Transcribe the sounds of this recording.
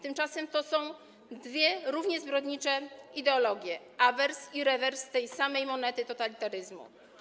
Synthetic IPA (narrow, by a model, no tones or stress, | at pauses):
t̪ɘmt͡ʂasɛmt̪ɔsɔ̃w̃ | d̪vʲjɛɾuvɲɛzbɾɔd̪ɲit͡ʂɛid̪ɛɔlɔɡʲjɛ | avɛɾsiɾɛvɛɾst̪ɛjsamɛjmɔnɛt̪ɘt̪ɔt̪alʲit̪aɾɘzmṵ